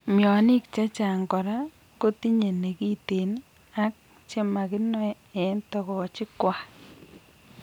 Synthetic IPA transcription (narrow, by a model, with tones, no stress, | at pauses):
mjɔ˨nɪ˦k̚t͡ʃa˦t͡ʃa˨ŋkɔ˨ɾa˦ | ko˦ti˦ɲe˨ne˨ki˦te˨n | a˦k̚ | t͡ʃe˦ma˨kɪ˦nɔ˦ | ɛ˨˦ntɔ˦kɔ˨t͡ʃɪ˦kwa˨